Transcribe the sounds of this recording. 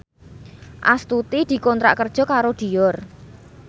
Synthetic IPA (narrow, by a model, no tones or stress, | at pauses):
ʔa̰st̪ut̪id̪̥i̤kɔnt̪ɾa̰ʔkərd̥ʒ̥ɔ̤kaɾod̪̥i̤jɔr